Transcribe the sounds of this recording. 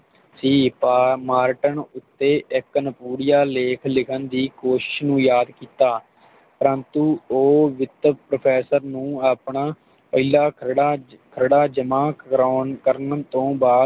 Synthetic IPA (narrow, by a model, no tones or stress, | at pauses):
siːpamaːɾʈənʊt̪ːeːʔɪkənəpuːɽjaːleːkʰlɪkʰənd̪iːkoːʃɪ̥ʃnũːjaːd̪kiːt̪aː | pəɾənt̪uːoːʋɪt̪ːpɾəpʰɛːsəɾnũːaːpɳaː | pəilaː | kʰəɾɽaːd͡ʒəmaːkɾːnkəɾnət̪õːbaː